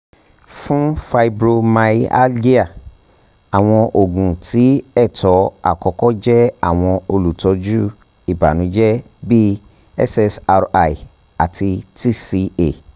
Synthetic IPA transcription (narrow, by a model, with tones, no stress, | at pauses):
fũ˦fa˧i˧bɾo˧ma˧˦a̰˦di˦a˦˨ | a˨w̃ɔ̃˧ʔo˨ɡũ˨tʰi˨˦ɛ˦˨tʰɔ˨˦a̰˨kɔ˧˦kɔ˦d͡ʒɛ˦a̰˨w̃ɔ̃˧o˧lu˨tɔ˨˧˦d͡ʒu˦ | i˨ba̰˨nũ˨˦d͡ʒɛ˦ | bi˦ | ɛ̰˦sɛ˧sa˧ɾa˨i˨ | a̰˨tʰi˧ti˦˨si˧e˨